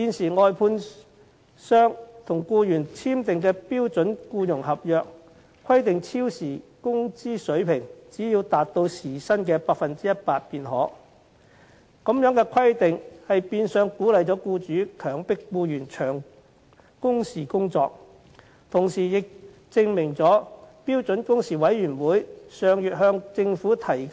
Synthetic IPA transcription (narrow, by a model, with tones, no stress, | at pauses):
tiː˨˧nsiː˨˩ŋɔː˧jpʰuː˧n | sœː˥ŋt̪ʰʊ˨˩ŋkuː˧jyː˨˩nt͡sʰiː˥mt̪ɪ˨ŋkɛː˧piː˥wt͡sɵ˨˥nkuː˧jʊ˨˩ŋhɐ˨p̚jœː˨k | kʰɐ˥jt̪ɪ˨ŋt͡sʰiː˥wsiː˨˩kʊ˥ŋt͡siː˥sɵ˨˥ɥpʰɪ˨˩ŋt͡siː˨˥jiː˧wt̪aː˨t̚t̪o˧wsiː˨˩sɐ˥nkɛː˧paː˧k̚fɐ˨nt͡siː˥jɐ˥t̚paː˧t̚piː˨˧nɦɔː˨˥ | ko˨˥mjœː˨˥ŋkɛː˧kʰɐ˥jt̪ɪ˨ŋhɐ˨jpiː˧nsœː˨˧ŋkuː˨˥lɐ˨jt͡sɔː˨˥kuː˧t͡ʃyː˨˥kʰœː˨˩ŋpɪ˥k̚ːuː˧jyː˨˩nt͡ʃʰœː˨˩ŋ | kʊ˥ŋsiː˨˩kʊ˥ŋt͡sɔː˧k̚ | t̪ʰʊ˨˩ŋsiː˨˩jɪ˨k̚ | t͡sɪ˧ŋmɪ˨˩ŋt͡sɔː˨˥piː˥wt͡sɵ˨˥nkʊ˥ŋsiː˨˩wɐ˨˥jɥyː˨˩nwuː˨˥jsœː˨ŋjyː˨t̚ɦœː˧ŋt͡sɪ˧ŋfuː˨˥t̪ʰɐ˨˩j